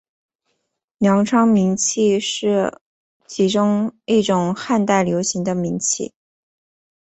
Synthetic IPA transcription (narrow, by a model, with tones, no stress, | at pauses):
ljɑ˧˥ŋʈ͡ʂʰɑ˥ŋmi˧˥ŋt͡ɕʰi˥˧ʂɻ̩˥˩ | t͡ɕʰi˧˥ʈ͡ʂʊ˥ŋi˥˩ʈ͡ʂʊ˨˩ŋxa˥˧nt̪a˥˩ɪljo˧˥ʊɕi˧˥ŋd̪ə˧mi˧˥ŋt͡ɕʰḭ˥˩